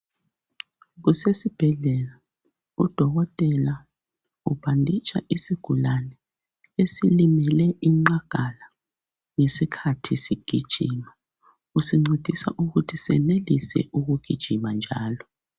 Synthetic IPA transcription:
ɣusesib̥ʱɛɮɛla | ud̥ʱɔɣɔtʼɛla | uβandʱit͡ʃʰʼa̰ʔisiɡ̥ʱulanɛ | esilimɛlɛʔiŋ͡ǃaɡ̥ʱala | ŋesikʰatʰisiɡ̥ʱid̥ʒ̥ʱiːma | usiŋ͡ǀed̥ʱisa̰ʔuɣutʰisɛ̰nelisɛ̰ʔuɣuɡ̥ʱid̥ʒ̥ʱimand͡ʒʱaːlɔ

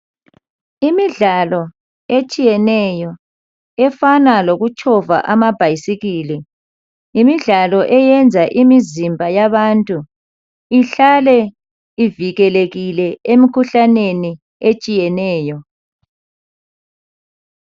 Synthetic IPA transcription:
imiɮalɔ | et͡ʃʼijɛnɛjɔ | ɛfanaloɣut͡ʃʰʼɔva̰ʔamab̥ʱajisiɣiːlɛ | imiɮalɔʔɛjɛnd͡zʱaʔimizimbʱajaβantʼu | iɬalɛ | iviɣɛleɣilɛemikʰuɬaneni | et͡ʃʼijɛnɛːjɔ

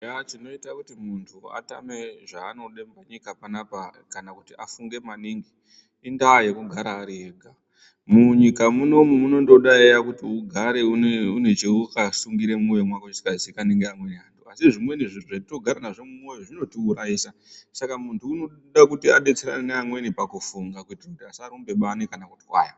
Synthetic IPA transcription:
at͡ʃino̞itakutimuntʰua̰ta̰me̞ʐaːno̞ɗembaɲikapanapakanakutiʔafuŋɡe̞maniŋɡiː | ndaːje̞kuɡʱaɾaːɾieːɡʱa | muɲikamuno̞mumuno̞ndo̞ɗaejakutiuɡʱaɾeuneunet͡ʃeukasuŋɡiɾe̞mojemwakoisi̥kazikaneŋɡeamwe̞niantuasiʐimwe̞niʐiuʐato̞ɡʱaɾanaʐemumo̞joʐino̞tiuɾaiːsasakamuntuːno | ɗakutiaɗet͡seɾa̰neneamwe̞nipakufuŋɡakutikutiasaɾumbe̞ɓanekanakutiwa̰ːja

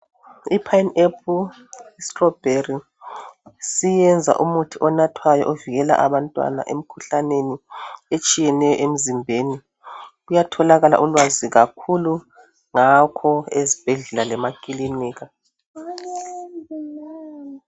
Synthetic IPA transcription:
ipʰajnep̚ʰu | istrɔb̥ʱeri | sijɛnd͡zʱa̰ʔumutʰiʔɔnatʰwajɔʔoviɣɛla̰ʔaβantʼwa̰na̰ʔem̩kʰuɬaneniet͡ʃʼijɛnɛjɔ̰ʔem̩zimbʱeːni | ɣujatʰɔlaɣala̰ʔulwaziɣakʰulu | ŋakʰɔezib̥ʱeɮɛlalɛmakʼiliniːɣa

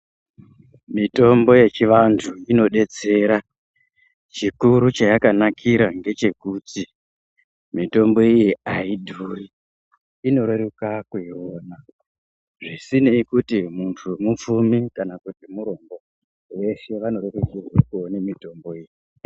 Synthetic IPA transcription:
mito̞mbo̞je̞t͡ʃiʋantʰuino̞ɗe̞t͡se̞ɾa | t͡ʃikuɾut͡ʃajakanakʰiɾaŋɡe̞t͡ʃe̞kuti | mito̞mbo̞ijiaidʱuri | ino̞ɾeɾukakuioːna | ʐisinikutimuntʰumup͡fumikanakutimuɾo̞mbo̞ | ʋe̞ʃe̞ʋano̞ɾerekirwekuonemito̞mbo̞iːji

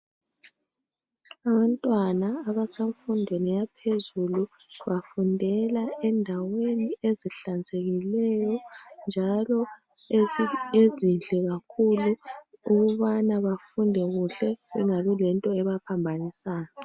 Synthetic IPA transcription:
aβantʼwanaːβaseɱfundʱwenijapʰezulu | βafundʱɛlaɛndʱawenieziɬand͡zʱeɣilɛjɔnd͡ʒʱalɔ | ezind͡ɮʱɛɣakʰuluuɣuβanaβafundʱɛɣuɬɛβɛŋaβɛlɛntʼɔɛβapʰambʱanisaːjɔ

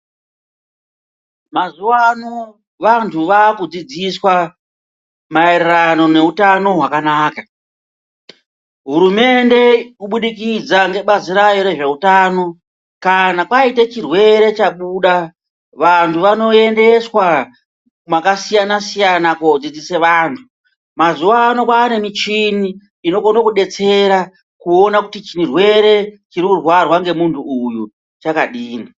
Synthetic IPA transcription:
mazuano | ʋantʰuʋaːkud͡zid͡ziswa | maererano̞ne̞utano̞ɦwakanaːka | ɦuɾume̞nde̞kuɓuɗikid͡zaŋɡe̞ɓaziɾajo̞ɾe̞ʐe̞utaːno̞ | kanakwaitet͡ʃirwe̞ɾe̞t͡ʃaɓuɗa | ʋantʰuʋano̞e̞nde̞swa | makasijanasijanakod͡zid͡ziseʋaːntʰu | mazuʋaːnokwaːne̞mit͡ʃiniː | no̞konokuɗe̞t͡se̞ɾa | kuo̞nakutit͡ʃirwe̞ɾe̞t͡ʃiɾikurwarwaŋɡe̞muntʰuːju | t͡ʃakaɗiːni

